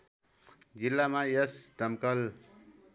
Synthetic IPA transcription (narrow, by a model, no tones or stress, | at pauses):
d͡zilːamajʌsd̪ʱʌmkʌl